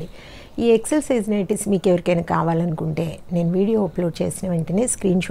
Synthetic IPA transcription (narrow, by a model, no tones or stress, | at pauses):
li | iːekselsiːznɐːɾʈismiːkeʋɐɾikɐnɐkːaːʋaːlɐnukuɳʈe̞ːne̞ːnuʋiːɽijoːɐploːt͡ʃe̞̰ːsinɐʋɐɳʈɐneːskɾiːnʃ